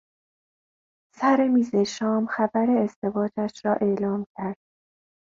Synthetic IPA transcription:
sæɾemiːzeʃɒːmxæbæɾe̞ːzd̪e̞vɒːd͡ʒæʃɾɒːʔe̞lɒːmcʰæɾd̪̥̚

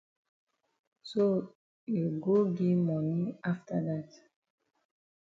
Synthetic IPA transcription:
so | juɡoɡimɔnĩaftədat

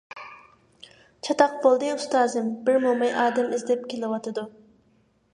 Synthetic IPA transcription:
t͡ʃʰɑt̪ɑq̚bolˠd̪ɨust̪ɑːzɨmbɪɾmomɑjʔɑːd̪ɛmɪzd̪ɛp̚kʲʰelɪwɑt̪ʰɨd̪u

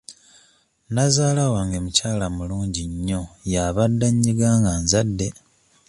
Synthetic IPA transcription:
nazaːlawaŋɡemucaːlamuluːɲɟiɲːo̞jaβadːaɲːiɡaːŋɡanzadːe̞

